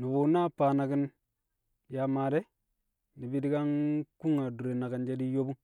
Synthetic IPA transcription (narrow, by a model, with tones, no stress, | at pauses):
ni˨bu˨na˦pa˨na˨ki˦n | ja˨ma˨de˦ | ni˨bi˦di˦ka˦nku˦ŋa˨du˨ɾe˨na˨ɡa˨nd͡ʒe˦di˦jo˦bu˦ŋ